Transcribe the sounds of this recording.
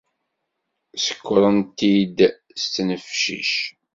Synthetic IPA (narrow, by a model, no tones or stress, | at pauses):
sə̥kʷːɾˤənt̪id̪ | st͡sːnəfʃḭʃ